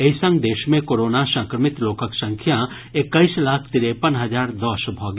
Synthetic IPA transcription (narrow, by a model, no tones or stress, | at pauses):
eisə̃ŋɡd̪eːʃmẽkoːɾoːnasãːŋkɾəmɪt̪loːkəksɐ̃ŋkʰja | ɪkːəislaːkʰt̪ɪɾepənɦɐd͡ʒaːɾd̪ɔːsbʱɔːɡe